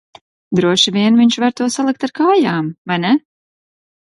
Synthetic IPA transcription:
d̪ɾuɔʃɨvʲiɛnviɲt͡ʃvaɾt̪uɔsalˠik̚t̪aɾkaːjaːmvajnɛ

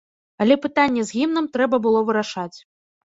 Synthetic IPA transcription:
ɐlʲɛpɨt̪anʲːɛzʲɣʲimnɨmt̪ɾɛbɐbɨlˠɔvɨɾaʂat͡sʲ

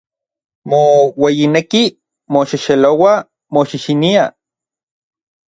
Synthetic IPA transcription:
mowejineki | moʃiʃelowa | moʃiʃinia

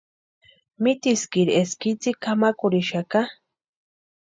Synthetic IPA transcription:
mɪt̪iskiɾeskit͡sikamakʊɾiʃaka

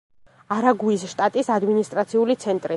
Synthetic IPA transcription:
aɾaɡuisʃt̪ʼat̪ʼisad̪minist̪ʼɾat̪sʰiulit̪sʰɛnt̪ʼɾi

